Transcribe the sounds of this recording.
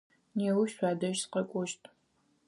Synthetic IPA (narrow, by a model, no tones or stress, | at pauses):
neːwuʃɕʷaːdɐʃsqɐkʷʼɔʃtʼ